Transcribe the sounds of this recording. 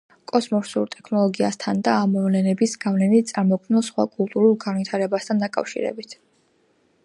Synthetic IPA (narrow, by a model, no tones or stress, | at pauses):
kʼɔsmɔɾsṵɾt̪ʼɛkʰnɔlˠɔɡiast̪ʰand̪aːmɔvlɛnɛbisɡavlɛnit̪̚t̪sʼaɾmɔkʰmnɛlˠsχwa̰kʼulˠt̪ʼuɾulˠɡanvit̪ʰaɾɛbast̪ʰand̪akʼa̰fʃḭɾɛ̰bit̪ʰ